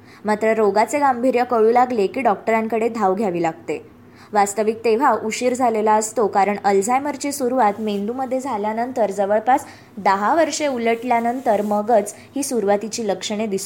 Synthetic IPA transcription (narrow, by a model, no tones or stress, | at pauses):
mat̪ɾəɾoɡat͡seɡambʱiɾjəkəɭuːlaɡlekiːɖɔk̚ʈəɾãŋkəɽed̪ʱaʋɡʱjaʋiːlaɡ̚t̪e | ʋast̪əʋik̚t̪eʋ̤aʔuɕiɾd͡zʱalelaəst̪okaɾəɳəld͡zajməɾt͡ɕesuɾuʋat̪mend̪uməd̪ʱːjed͡zʱaljanənt̪əɾd͡zəʋəɭpas | d̪əɦaʋəɾʂeuləʈljanənt̪əɾməɡət͡s | hiːsuɾʋat̪it͡ɕiːləkʂəɽ̃ed̪ist̪o